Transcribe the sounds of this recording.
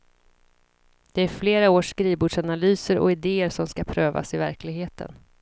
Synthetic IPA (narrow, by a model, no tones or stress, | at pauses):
d̪̥ɛæɾfleːɾaoːʂkɾiːvbuːɖʂanalyːsəɾʔɔ̰ɪd̪eːəɾʂɔmskapʰɾøːva̰sɪvæɾklɪɡɦeːt̪ʰə̰n